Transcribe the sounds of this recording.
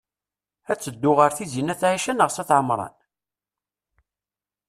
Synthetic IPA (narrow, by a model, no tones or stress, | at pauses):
æt͡sːəd̪ːʊʁəɾθizinæθʕiʃænəʁsæθʕəmɾˤɑ̰n